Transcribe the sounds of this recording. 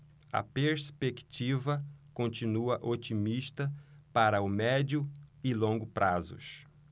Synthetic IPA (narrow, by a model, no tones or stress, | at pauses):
ɐ̰peɾspekt͡ʃivɐkõnt͡ʃĩnuɐʔot͡ʃimiʃt̪ɐpaɾɐʊmɛd͡ʒʊɪlõŋɡʊpɾʔazʊ̰s